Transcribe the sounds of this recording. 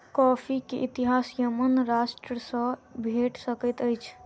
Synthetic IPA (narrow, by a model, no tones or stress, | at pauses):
kɔpʰikeʔit̪iɦasjəmənɾasʈɾəsə̃bʱeʈsəkət̪əjt͡ʃʰ